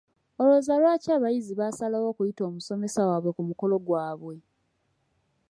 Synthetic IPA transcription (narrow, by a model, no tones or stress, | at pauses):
o̞lozalwaːcaːβajiziβasalawo̞ːkujito̞ːmuso̞me̞sawaːβwe̞kumuko̞lo̞ɡwaːβwe̞